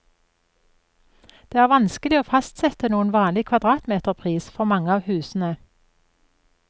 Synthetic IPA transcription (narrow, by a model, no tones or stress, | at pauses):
d̪̥eːæːʁʋɑnskəlɪoːfɑst̪sɛt̪ənuːənʋɑːnlɪkʰʋɑd̪ʁɑːt̪meːt̪əʁpʰʁiːsfɔʁmɑŋəɑːʋhʉːsn̩ə